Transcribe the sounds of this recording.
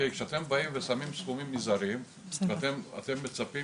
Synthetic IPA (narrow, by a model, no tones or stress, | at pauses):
ejkʃeat̪embaimvesamimsfumimːizaɾim | veat̪ema̰t̪e̞mːet͡sapi